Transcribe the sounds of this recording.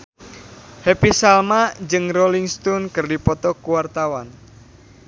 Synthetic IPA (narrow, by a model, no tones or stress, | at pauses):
hepisalmad͡ʒɨŋroliŋst̪unkɨrdipɔt̪ɔkuwart̪awan